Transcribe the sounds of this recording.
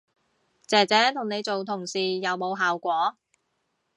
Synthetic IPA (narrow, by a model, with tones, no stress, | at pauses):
t͡sɛː˨˩t͡sɛː˨˥t̪ʰʊ˨˩ŋne˨˧jt͡so˨wt̪ʰʊ˨˩ŋsiː˨jɐ˨˧wmo˨˧wɦaː˨wkʷɔː˨˥